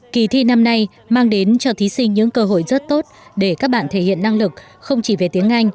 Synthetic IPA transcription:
ki˨˩t̪ʰi˧na˧mna˧j | maː˧ŋɗe˨˦nt͡ɕɔ˧t̪ʰi˨˦sï˧ŋ̟ɲɨ̰˧˥ŋkəː˧ɦo̰˧˨jzə˦˥t̚t̪o˦˥t̚ɗe˧˩kaː˦˥k̚ɓa̰ː˧˨nt̪ʰe˧˩hḭ˧˨ənːa˧ŋlɨ˨˩k̚ | xə˧wŋ͡mt͡ɕi˧˩ve˨˩t̪i˨˦əŋʔa˧jŋ̟

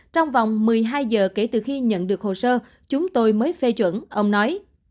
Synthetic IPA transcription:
t͡ɕɔ˧wŋ͡mva˨˩wŋ͡mmɨ˨˩əjɦaː˧jzəː˨˩ke˧˩t̪ɨ˨˩xi˧ɲə̰˧˨nɗɨ˨˩ək̚ho˨˩səː˧ | t͡ɕʊ˨˦ŋ͡mt̪o˧jməː˨˦jfɛ˧t͡ɕwə̰˧˥˨nʔə˧wŋ͡mnɔ˨˦j

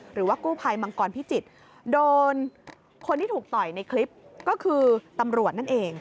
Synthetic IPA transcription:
ɾɯː˩˦waː˥˩kuː˥˩pʰa˧jma˧ŋkɔː˧npʰi˦˥˩t͡ɕi˨˩t̪̚ | doː˧n | kʰo˧nt̪ʰiː˥˩uː˨˩k̚t̪ɔ˨˩jna˧jkʰli˦˥p̚kɔː˥˩kʰɯː˧t̪a˧mɾu˨˩ət̪̚na˥˩nʔeː˧ŋ

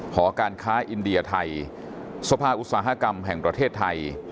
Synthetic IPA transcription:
kʰɔː˩˦kaː˧nkʰaː˦˥ʔi˧ndi˧ɐt̪ʰa˧j | sa˧pʰaː˧ʔu˧˥t̪̚saː˩˦ɦa˦˧˥ka˧mɦɛ˨˩ŋpɾa˧t̪ʰeː˥˩t̪ʰːa˧j

